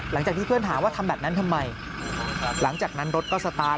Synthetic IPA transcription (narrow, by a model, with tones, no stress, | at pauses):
la˨˩˦ŋt͡ɕaː˨˩k̪̚ʰiː˥˩ɯ˥˩ənt̪ʰaː˩˦waː˥˩t̪ʰa˧mbɛː˨˩p̚na˦˥nt̪ʰa˧mːa˧j | la˩˦ŋt͡ɕaː˨˩k̚na˦˥nɾo˦˥t̪̚kɔː˥˩sa˧t̪aː˧